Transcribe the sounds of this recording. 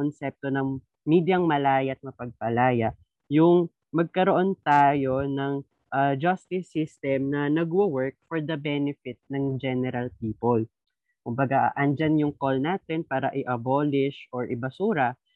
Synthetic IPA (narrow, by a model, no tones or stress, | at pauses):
onsɛp̚t̪onɐŋ | miːd̪jɐŋmɐlaːjɐʔɐt̪̚mɐpɐɡ̚pɐlaːjɐ | jʊŋ | mɐɡ̚kɐɾoʔo̞nt̪aːjo̞nɐŋ | ʔad͡ʒɐst̪ɪsːist̪ɛmnɐnɐɡwɐwɛɹk̚fɔɹd̪ɐbɛnɪfɪt̪̚nɐŋd͡ʒɛnɛɾɐlpiːpol | kʊmbɐɡaʔʔɐnd͡ʒanjʊŋkolnaːt̪ɛnpaːɾɐʔɪʔɐboːlɪʃʔoɹʔɪbɐsuːɾɐ